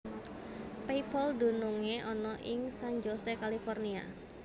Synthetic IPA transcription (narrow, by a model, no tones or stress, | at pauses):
pejpɔldṳnuŋeʔɔnɔʔɪŋsand͡ʒɔsekalifɔrnia̰